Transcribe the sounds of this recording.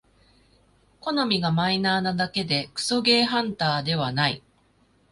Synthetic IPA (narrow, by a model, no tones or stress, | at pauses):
ko̞nomʲiɡamainaːnad̪ake̞d̪e̞kɯ̟̥so̞ɡe̞ːɦãnt̪aːd̪e̞β̞anaḭ